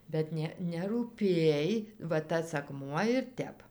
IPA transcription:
bʲɛt ˈnʲɛ nʲɛruːˈpʲeːj ʋɐ ˈtɐs ɐkˈmuɔ ɪr ˈtʲɛp

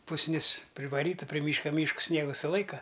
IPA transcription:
pʊsʲˈnʲɪs pʲrʲɪʋɐˈrʲiːtɐ pʲrʲɪ ˈmʲiːʃkɐ ˈmʲiːʃkʊs ˈsʲnʲiɛɡʊ sʊˈlˠɐɪkɐ

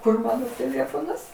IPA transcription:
ˈkʊr ˈmɑːnoː tʲeːˈlʲeːfoːnɐs

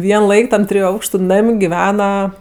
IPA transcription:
ˈʋʲiɛn ˈlˠɐɪk tɐm ˈtʲrʲɪjʊ ˈɐʊkʃtʊ ˈnɐmʲ ɡʲɪˈʋʲæːnɐ

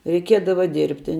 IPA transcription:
rʲɛɪˈkʲiɛdɐʋɐ ˈdʲɪrʲpʲtʲɪ

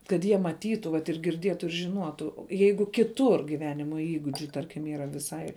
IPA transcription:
kɐt ˈjiɛ mɐˈtʲiːtʊ ʋɐt ɪr ɡʲɪrʲˈdʲiɛtʊ ɪr ʒʲɪˈnuɔtʊ jɛɪɡʊ kʲɪˈtʊr ɡʲɪˈʋʲæːnʲɪmoː ˈiːɡʊd͡ʒʲʊ ˈtɐrʲkʲɪm iːˈrɐ ʋʲɪˈsɐɪ

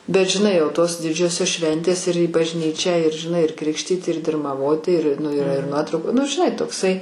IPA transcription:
bʲɛt ʒʲɪˈnɐɪ jɛʊ toːs ˈdʲɪd͡ʒʲoːsʲoːs ˈʃʲʋʲɛnʲtʲeːs ɪr iː bɐʒʲˈnʲiːt͡ʃʲæː ɪr ʒʲɪˈnɐɪ ɪr ˈkrʲɪkʃʲtʲiːt ɪr dʲɪrmɐˈʋoːtʲɪ ɪr ˈnʊ ɪˈrɐ ɪr ˈnuɔtrɐʊkʊ nʊ ʒʲɪˈnɐɪ toːkˈsɐɪ

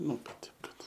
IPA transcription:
ˈnʊ kɐt ˈtʲɛɪp kɐt

